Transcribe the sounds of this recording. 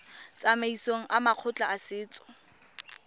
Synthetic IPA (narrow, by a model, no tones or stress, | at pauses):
t͡sʼameisoŋ̩ʔamaq͡χʰʊt͡ɬʼaasɪːt͡sʼɔ̥